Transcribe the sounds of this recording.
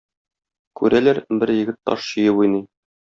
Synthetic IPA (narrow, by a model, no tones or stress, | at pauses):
kʉɾælæɾbɘɾjɘ̆ɡɘt̪ːɒ̰ʃɕɤ̆jɤbujnɤj